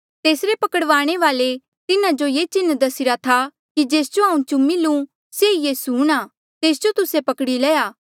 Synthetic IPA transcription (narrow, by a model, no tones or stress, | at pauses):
t̪eːsɾepɐkəɽʋaːɽ̃eʋaːle | t̪ɪnãd͡ʒojeːt͡ʃɪnːd̪ɐsɪɾat̪ʰa | kid͡ʒeːsd͡ʒoaːũt͡ʃumɪlũ | sejeːsuɽ̃aː | t̪eːs̬d͡ʒot̪ʊsepɐkɽilɛːjaː